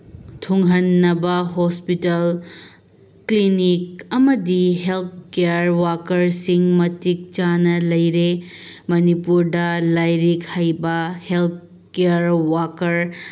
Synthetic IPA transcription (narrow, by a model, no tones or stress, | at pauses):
tʰuŋɦɐnːɐbɐɦospitɐl | klinik̚ɐmɐdiɦelt̚keaɾwakɐɾsiŋmɐtik̚t͡ʃanɐlɐjɾemɐnipuɾdɐlajɾikhajbɐhelt̚ | kejaɾwakɐɾ